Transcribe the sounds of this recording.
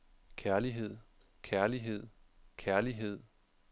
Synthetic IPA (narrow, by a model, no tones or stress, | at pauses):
kʰæɐliɦe̝ð̰ˠ | kʰæɐliɦe̝ð̞̰ˠkʰæɐliɦe̝ð̰ˠ